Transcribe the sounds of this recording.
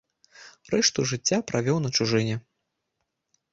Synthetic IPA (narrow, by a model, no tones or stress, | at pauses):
rɛʂt̪uʐɨt͡sʲːapɾavʲɔwnɐt͡ʃuʐɨnʲɛ